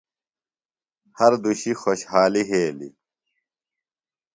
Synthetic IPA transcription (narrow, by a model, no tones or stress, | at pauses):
hɐɾd̪uɕixoɕhaːliɦeːlḭ